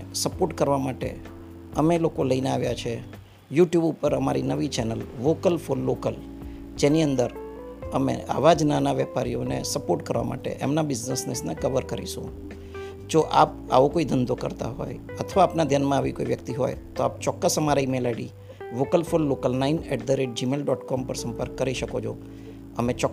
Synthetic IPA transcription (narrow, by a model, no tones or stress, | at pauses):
səpoɾʈkəɾʋamaʈḛ | əmelokoləineaʋjat͡ʃʰe | juʈjubupəɾəmaɾḭnəʋit͡ʃɛnəlʋokəlfolːokəl | d͡ʒeniənd̪əɾ | əmḛa̰ʋad͡ʒnanaʋɛpaɾijonḛsəpoɾʈkəɾʋa̰ma̰ʈḛʔḛmnabɪznəsnesnekəʋəɾkəɾḭʃõ̰ | d͡ʒoʔa̰p̚ | a̰ʋokoid̪ʱənd̪ʱokə̰ɾt̪a̰ɦɔ̰j | ət̪ʰəʋaːpnad̪ʱjanmãaʋḭkoiʋjəkt̪iɦo̰jt̪oap̚t͡ʃɔkːəsəmaɾaimelaɽḭ | ʋokəlfolːokəlnainɛʈ̚d̪əɾeʈ̚d͡ʒimelɖɔʈkɔmpəɾsəmpəɾkːəɾiʃəkod͡ʒʰo̰ | əmẽt͡ʃɔ